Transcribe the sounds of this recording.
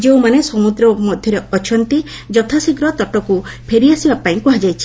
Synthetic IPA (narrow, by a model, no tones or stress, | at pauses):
d͡ʒewmanesɔmud̪ɾɔmɔd̪ʱjɔɾeɔt͡ʃʰɔnt̪i | d͡ʒɔt̪ʰasiɡɾɔt̪ɔʈɔkupʰeɾiasibapaĩkuɦad͡ʒajt͡ʃʰi̥